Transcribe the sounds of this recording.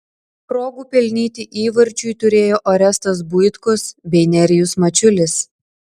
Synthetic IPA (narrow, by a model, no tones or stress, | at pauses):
pɾoːɡuːpʲɛlʲnʲiːt̪ʲɪʔiːʋɐɾʲt͡ʃʲʊjt̪ʊɾʲeːjoːʔɔɾʲɛst̪ɐs̬bʊjt̪kʊsbʲɛɪnʲɛɾʲɪjʊsmɐt͡ʃʲʊlʲɪs